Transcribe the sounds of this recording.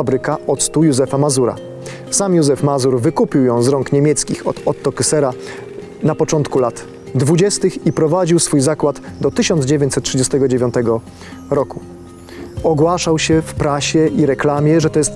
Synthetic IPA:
abɾɘkaʔɔt̪st̪ujuzɛfamazuɾa̰ | samjuzɛfmazuɾvɘkupʲiwjɔ̃w̃zɾɔŋkɲemʲjɛt̪skʲḭxɔ̰t̪ɔt̪ːɔkɘsɛɾa | napɔt͡ʂɔnt̪kulat̪ | d̪vud͡ʑɛst̪ɘxipɾɔvad͡ʑiwsfujzakwad̪d̪ɔt̪ɘɕɔnd̪d͡ʑevʲeɲt͡ɕsɛt̪̚tʂɘd͡ʑɛst̪ɛɡɔd͡ʑevʲjɔ̃nt̪ɛɡɔ | ɾɔku | ɔɡwaʂawɕɛfpɾaɕɛʔiɾɛklamʲjɛʐɛt̪ɔjɛst̪

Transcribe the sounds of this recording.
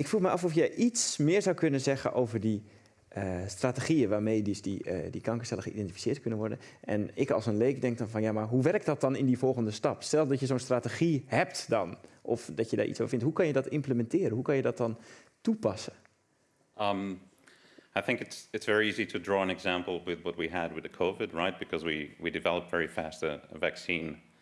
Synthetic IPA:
ɪkfruxmɛjʔɑfofjəʔismɪəɹzawkønənzɛɣə̰nʔowvərdi | əstrateɣiəʋaːɹmejdəsdidikɑŋkəstɛləxəʔḭdɛntifi̥sɪːətkønənʋɔɹdən | ʔɛ̰nɪkɔ̰lˠsənleːkdɛŋk̚dɔnfɔnjamaɹɦuʋɛrk̚dɔt̚dɔnɪndivɔlˠɣəndəstɑpstɛlˠsdɔtjəzoːnstrateɣihɛp̚tdɔnʔɔfdɔtjəda̰ʔḭt͡ssofɪnthɦukɑnjədɔtɪmpləmɛntɪːɾənɦukɑnjədɔt̚dɔn | tupɑsə | m | aɪθɪ̃ŋkɨtsɨtsv̥ɛɹiiziɾʰədɹɔːə̃nɛɡzæ̃mpl̩ˠwɪðwʌt̚wiəd̚wɨðəkʰoʊvɪd̚ɹaɪt̚b̥ɨkʰʌzwḭwidɨvɛlˠəpv̥ɛɹifæstə̰ə̰væksĩn

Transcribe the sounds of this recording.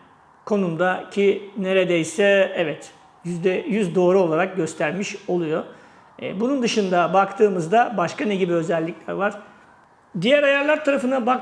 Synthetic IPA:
kʰo̞numd̪acʰineɾed̪ejsɛevɛt̪ | jyd̪ɛjyzd̪o̞ːɾuo̞lˠaɾak̚ɟø̞st̪ʰæɾmiʃo̞lˠujo̞̰ | bunund̪ɯʃɯnd̪abakt̪ʰɯːmɯzd̪abaʃkanɛɟibiø̞zɛlʲːiclʲæɾvaɾ̥ | d̪ijæɾajaɾlˠaɾt̪ʰaɾafɯnabak

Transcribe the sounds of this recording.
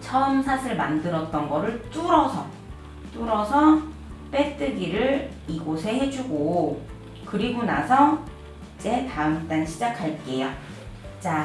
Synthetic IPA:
t͡ɕʰʌmsʰasʰɯɭmandɯɾʌt̚t͈ʌnɡʌɾɯɭt͈uɾʌsʰʌ | t͈uɾʌsʰʌ | p͈e̞t͈ɯɡiɾɯɭ | iɡosʰe̞ɦe̞d͡ʑuɡo | kɯɾiɡona̰sʰʌ | t͡ɕ͈e̞taɯmt͈anɕʰid͡ʑakʰaɭk͈ejo | t͡ɕ͈a

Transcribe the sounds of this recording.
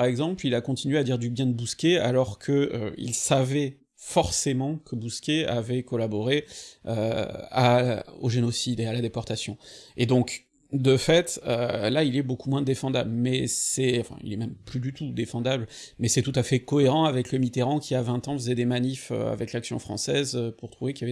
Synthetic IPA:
aʁɛɡzɑ̃plilakɔ̃t̪inɥead̪iʁd̪ybjɛ̃d̪əbuskʲea̰lɔʁkʰəø̰ḭlsavɛ | fɔʁsemɑ̃kʰəbuskʲeavɛkɔlabɔʁeø̰ao̰ʒenɔsid̪ealad̪epɔʁt̪asjɔ̃ed̪ɔ̃k | d̪əfɛt̪ølailɛbokumwɛ̃d̪efɑ̃d̪ablmɛsɛɑ̃fɛ̰̃ḭlɛmɛmplyd̪yt̪ud̪efɑ̃d̪ablmɛsɛt̪ut̪afɛkɔeʁɑ̃avɛkləmit̪eʁɑ̃kʲiavɛ̃t̪ɑ̃fəzɛd̪emanifø̰a̰vɛklaksjɔ̰̃fχɑ̰̃sɛzøpuʁt̪χuvekʲijavɛ

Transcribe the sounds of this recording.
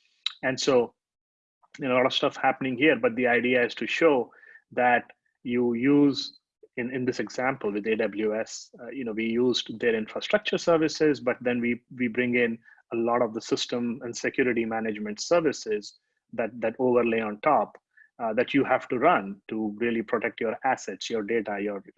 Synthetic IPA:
æ̃nɖsoː | jolɔːɾɔʋ̥sʈʌfhæpənɪ̃ŋhiəɾbʌʈ̚d̪iaɪɖiaɪz̥ʈuʃoː | d̪æʈ | juːjuːz | ɪ̃nɪ̃nd̪ɪsɛɡzæ̃mpəlʋɪd̪eːɖʌbl̩ˠjuɛsjunoːʋijuːzɖd̪eɾɪ̃nfɾasʈɾʌk̚t͡ʃəɾsəɾʋɪsɪzbʌʈ̚d̪ɛ̃nʋiʋiːbɾɪ̃ŋɡɪ̃n | əlɔːʈɔvd̪əsɪsʈə̃mɛ̃ɳɖsɪkjuːɾɪʈimæned͡ʒmɛ̃ɳʈsəɾʋɪsɪz | d̪æʈ̚d̪æʈoːʋəɾleːɔ̃nʈʰɔːp | d̪æʈʰjuːhæfʈuɾʌ̃nʈuɾiəlipɾoʈek̚ʈjoːɾæsɛʈsjoːɾɖeːʈajɔːɾ

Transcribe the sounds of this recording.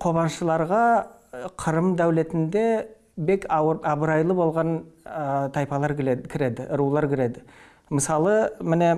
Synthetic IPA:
qʰo̞βɑnʃəlˠɑɾʁɑ | qʰəɾəmd̪æwle̞t̪ɪnd̪e̞ | be̞kʰɑbəɾɑjlˠəbo̞lˠʁɑn | t̪ʰɑjpɑlˠɑɾkʲʰɪɾe̞d̪ɪʔɾulˠɑɾkʲʰɪɾe̞d̪ɪ | məsɑlˠəmɪne̞

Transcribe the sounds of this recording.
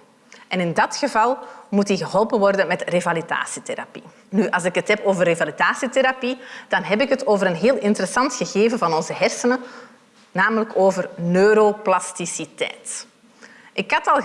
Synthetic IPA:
ʔɛnɪndɑtxəvɑlˠmutiɣəɦɔlˠpənʋɔrdənmɛtrevalida̰ːsiteɾa̰pi | nyʔɑlˠsɪkɦətɦɛpoːvərevalidaːsiteɾapid̥ɑnɦɛpɪkətoːvəɾənɦeːlˠɪntəɾɛsɑntxəɣeːvənvɑnɔnzəɦɛrsənə | naːmələkoːvərnøːɾoplɑstisitɛ̰ːt | ʔɪkɦɑtɑlˠ

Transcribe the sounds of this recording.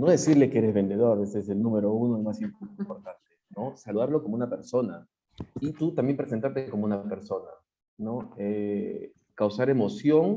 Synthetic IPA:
no̞ðe̞siɾlekeeɾe̞zβe̞nd̪e̞ð̞o̞ɾaβeseselnũme̞ɾo̞unoelmasimpimpoɾt̪ant̪eno̞saluðaɾlo̞ko̞mounape̞ɾso̞na | it̪ut̪ambje̞mpɾe̞s̬e̞nt̪aɾt̪eko̞mounape̞ɾso̞na̰ | no̞e | kawsaɾe̞mo̞sjo̞ŋ

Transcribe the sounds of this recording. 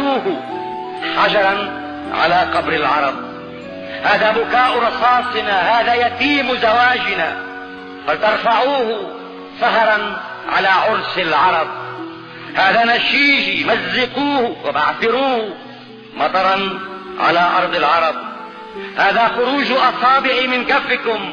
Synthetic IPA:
uːh | ħad͡ʒɑɾˤɑn | ʕa̰laːqɑbɾɪlʕɑ̰ɾˤɑb̚ | haːðaːbʊkaːʔɾˤɑsˤɑːsˤɪnahaːðajat̪iːmʊzawaːd͡ʒɪna̰ | falt̪ɑɾˤfaʕuːh | saɦɾˤɑn | ʕa̰laːʕʊɾsalʕɑɾˤɑb̚ | haːðaːnaʃiːʒimazːɪquːhwa̰ba̰ʕθɪɾuːh | mɑt̪ˤɑɾˤɑnʕa̰laːʔɑ̰ɾˤd̪ˤɪlʕɑɾˤɑb̚ | haːðaxʊɾuːʒʔɑsˤɑːbɪʕimɪnkafːɪkʊm

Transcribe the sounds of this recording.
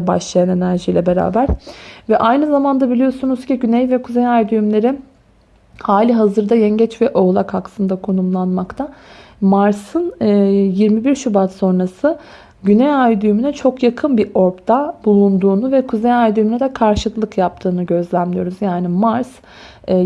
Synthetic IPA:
baʃlˠajane̞næɾʒijlʲɛbe̞ɾa̰ːbæɾ̥vɛʔajnɯzamand̪abilʲijo̞sunuz̥ciɟynɛjvɛkʰuzejajd̪yymlʲe̞ɾin | haːlʲiɦazɯɾd̪ajɛɲɟɛt͡ʃvɛʔo̞ɣlˠakhaklˠɯnd̪akʰo̞numlˠanmakt̪ʰa | maɾsɯnjiɾmibiɾʃybat̪so̞nɾasɯ | ɟynɛjajd̪ymynɛt͡ʃʰo̞kjakʰɯnbiʔo̞ɾpt̪ʰabulˠund̪uːnuvɛkʰuzejajd̪yminɛd̪ɛkʰaɾʃɯlˠɯkjap̚t̪ʰɯːnɯɟø̞zlʲæmlʲijo̞ɾuzjaːnimaɾs

